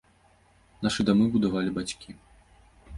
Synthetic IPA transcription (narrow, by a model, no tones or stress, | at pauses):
naʂɨd̪amɨbud̪avalʲibat͡ɕʲkʲi